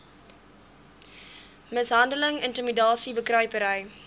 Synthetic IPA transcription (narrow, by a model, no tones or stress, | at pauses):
məsɦɐndələŋəntəmidɑːsibəkrœɥpəɾəj